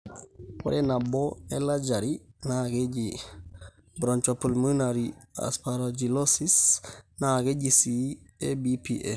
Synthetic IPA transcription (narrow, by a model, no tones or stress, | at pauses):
wo̰ɾʔenaboelad͡ʒaɾinaaɡeɟi | bɾoɲt͡ʃopəlmənaɾia̰spaɾod͡ʒilosisnaaɡeɟisiebipiʔe